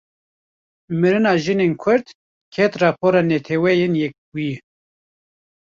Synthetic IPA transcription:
mɨɾɨnɑːʒɨnenkʰʊɾd̪ | kʰɛt̪rɑːpʰoːɾɑːnɛt̪ʰɛwɛjenjɛk̚buje

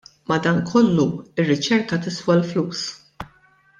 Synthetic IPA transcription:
mɐd̪ɐːnkʰɔlːuɪrːɪt͡ʃɛɾkɐt̪ɪsfɔlfluːs

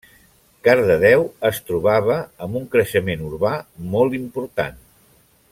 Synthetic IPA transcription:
kaɾðəðɛwəst̪ɾuβ̞aβ̞əːmbuŋkɾəʃəmenuɾβamɔlˠt̪impuɾt̪a̰n

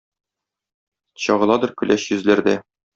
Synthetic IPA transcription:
ɕɒʁɤ̆lˠɑd̪ɤɾkɵ̆lʔæɕjɵ̆zlæɾd̪æ

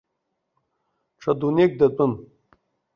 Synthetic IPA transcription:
ʈ͡ʂʰɐd̪unʲek̚d̪ɐt̪ʼun

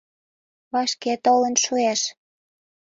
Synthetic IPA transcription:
βɑʃket̪olə̆nʃueʃ

